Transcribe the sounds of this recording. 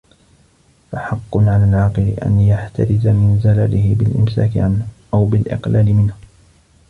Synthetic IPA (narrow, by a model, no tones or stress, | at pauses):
faħɑqːʊnʕalaːlʕɑːqɨlɪʔa̰njaħt̪ʰa̰ɾɪzamɪnzalalɪhɪbɪlʔɪmsa̰ːkɪʕanhʔawbɪlʔɪ̰qlaːlɪmɪnh